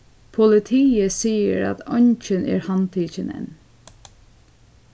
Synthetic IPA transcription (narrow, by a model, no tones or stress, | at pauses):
pʰʊlɪt̪ʰiːəsiːə̰ɾa̰t̪ʰɔnt͡ʃənʔɛ̰ːɹhɑnt̪ʰiːçənɛ̰n